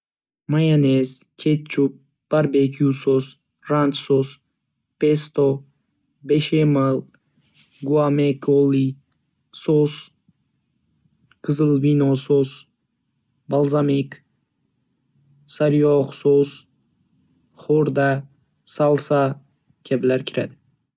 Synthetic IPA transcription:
majanes | kʲʰet͡ʃːup̚ | b̥aɾbekʰjusos | ɾant͡ʃsos | pest̪o | beʃeməl | ɡuamekoli | sos | kʰɨzɨlˠvinosos | balˠzamik | saɾjɔχsos | χoɾd̪a | salˠsa | kʲʰablæɾkʲʰiɾa̰d̪ɪ̥

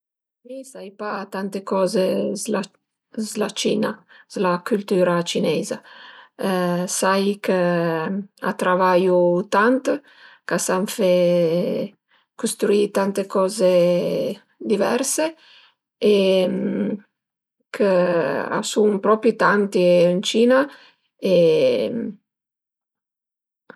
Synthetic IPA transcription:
misajpat̪ant̪ekɔːzezla | zlat͡ʃiːnaz̥lakylt̪yːɾat͡ʃinɛːza | sajkə | a̰t̪ɾavajut̪ant̪ | kasaɱfɛ | kust̪ɾuit̪ant̪ekɔːze | d̪ivɛ̰ɾse | e | kʰəa̰sunpɾɔpɾit̪ant̪iint͡ʃiːna | e

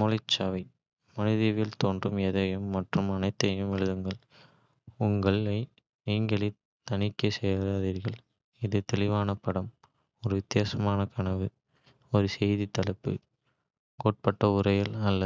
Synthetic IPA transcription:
mɔlɪt͡ʃːaːʋɐɪ | mɐnɪðɪʋɪlt̪oːndrɯmɛðɐjɯmːɐʈrɯmɐnɐɪt̪ːɐjɯmɛɻɯðɯŋɡɐɭ | ʊŋɡɐɭɐɪ | niːŋɡɐɭɪ | t̪ɐnɪkːɐsɛjɐlaːðiːɾɣɐɭ | ɪðɯt̪ɛɭɪʋaːnɐpɐɽɐm | ɔɾɯʋɪt̪ːɪjaːsɐmaːnɐkɐɳɐʋɯ | ɔɾɯsɛjðit̪ːɐlɐpːɯ̰ | koːʈ̚pɐʈːɐʊɾɐjɐlɐlːɐ

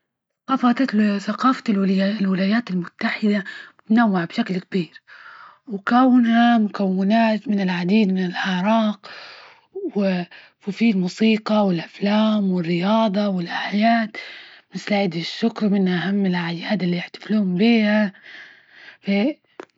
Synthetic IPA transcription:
qɑfɑt̪ɑt̪θaqɑːfallwɪlaːjaːt̪ɪlmʊt̪ːaħɪd̪at̪nawːaʕbʃaklkabiːɾ | wkawːɪnhamʊkawːɪnaːt̪mɪnɪlʕad̪iːd̪mɪnɪlʔɑʕɾˤɑːq | wɪ | wɪfilmuːsiːqɑwɪlʔaflaːmwɪrːɪjɑːd̪ˤɑwɪlʔaħajaːt̪mɪslʕiːd̪ɪʃːʊkɾwmɪnhaʔahamːɪlʔaʕjaːd̪ɪlːiɪħt̪ḁfluːhʊmbiːha | fa

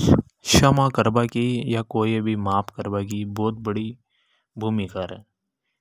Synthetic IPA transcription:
ʃɐmãkɐɾbakijakoːibʱimaːpkəɾbakibɔːt̪̚bəɽi | bʱuːmikaːɾɛː

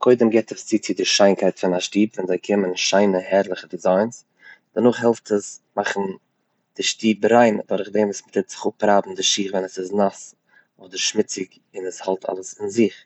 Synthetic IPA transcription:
kʰɔɪdəmɡɛtəst͡sɪt͡sɪdɪʃaɪnkʰaɪtfɪnaʃtiːbvɛnzaɪkʰɪmənʃaɪnəhɛɾlˠəχədɪzaɪns | d̥ənʊχɦɛlˠftəsmaχn̩ | d̥ɪʃtiːbɾaɪndɔɾəχdɛmvsmɪtʰɪtz̥ɪ̥χʊpɾaːbm̩dɪʃiːχvɛnəsɪznas | ɔdəɾʃmɪt͡sɪk | ɪnəshalˠtʰa̰lˠəsɪnzɪχ

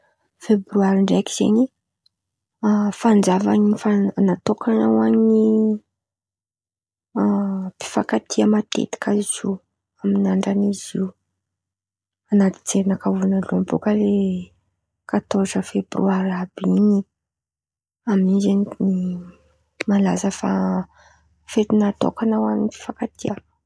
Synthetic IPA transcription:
febɾyaɾiɳɖ͡ʐakiz̥ḛɲi | afand͡zava̰niifaanat̪okʰanawaɲi | pi̥fakat̪ʰiəmat̪ḛt̪i̥kazizi | aminaɳɖ͡ʐaniziu | anat̪i̥t͡seɾinakavunalombokəle | kat̪oʈ͡ʂəfebrṵaɾabini | aminizenni | malazəfa̰ | fet̪inat̪o̰kanawanipi̥fakat̪ʰia

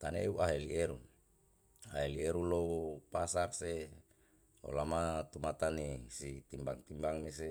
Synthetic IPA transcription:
t̪anḛuʔaɦelieɾun | aɦelieɾunlopasakse | o̰lamat̪umat̪anisit̪imbaŋt̪imbaŋmese

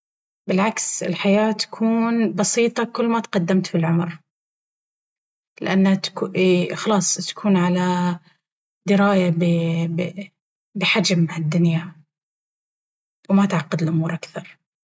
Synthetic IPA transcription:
bɪlʕaksɪ̰lħajaːt̪ḁkʰuːnbɑsiːt̪ˤɑkʊlːmat̪qɑd̪ːamt̪fɪlʕʊmɾ | lɪʔanːat̪xɑlɑːsˤt̪ḁkʰuːnʕala | d̪ɪɾaːjab | bɪħad͡ʒmːaʕad̪ːʊnja | wmat̪ʕɑqːɑd̪ɪlʔʊmuːɾʔakθɑɾˤ

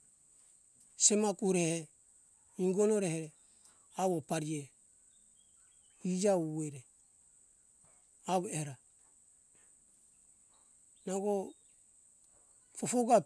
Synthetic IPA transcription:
semakuɾehe | iŋɡonoɾeheɾe | awopaɾie | id͡ʒaueɾe | aweɾa | naɡo | fofoɡa

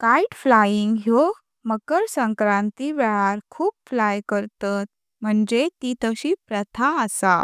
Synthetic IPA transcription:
kaiʈflajiŋɡɦjo | məkəɾsəŋkɾãnt̪iʋɛɭaɾkʰuːpflajkəɾt̪at̪̚ | m̤əɳd͡ʑet̪it̪əɕipɾət̪ʰaəsa

